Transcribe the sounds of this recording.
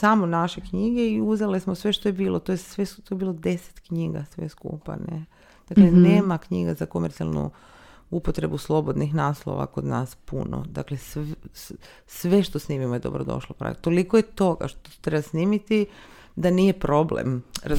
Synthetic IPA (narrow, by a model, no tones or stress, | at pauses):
samonaʃe̞kɲiɡeiuzelismosʋe̞ʃt̪o̞jebiːlˠot̪ojesʋet̪ojebiːlo̞d̪e̞se̥t̪kɲiːɡa̰sʋḛskṵːpa̰ne | d̪̥akleneːmakɲiːɡazako̞meɾt̪sia̰lˠnṵ | upot̪ɾe̞buslˠo̞bo̞d̪nixnaːslˠo̰ʋa̰ko̞d̪na̰ːspṵno̰d̪a̰kle̞s | sʋe̞ʃt̪osniːmimojed̪o̞̰bɾod̪o̞̰ʃlˠopɾa̰t̪olikoje̞t̪o̞ɡa̰ʃt̪ot̪ɾebasniːmit̪i | d̪aniːje̞pɾo̞blḛmɾa